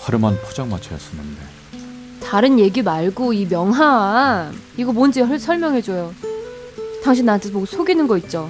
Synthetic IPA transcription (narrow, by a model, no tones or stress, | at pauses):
paɾɯmanpʰod͡ʑaŋmat͡ɕʰʌjʌ̰s͈ɯnːɯnde̞̰ | taɾɯnje̞ɡimaɭɡoimjʌŋɦawa | iɡʌmond͡ʑiɦʌɭsʰʌɭmjʌŋɦe̞d͡ʑojo | taŋɕ̬ʰinantt͡ɕesʰʌmoɡsʰoɡinɯnɡʌit̚t͡ɕ͈o